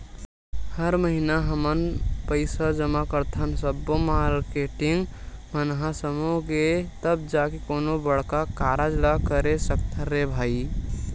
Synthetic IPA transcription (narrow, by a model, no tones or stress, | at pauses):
həɾməɦinaɦəmənpəɪsad͡ʒəmakəɾt̪ʰənsəbːomaɾkeʈiŋɡmənɦãsəmuɡet̪əbd͡ʒakekonobəɽkakaɾad͡ʒlakəɾesəkt̪ʰəɾebʱai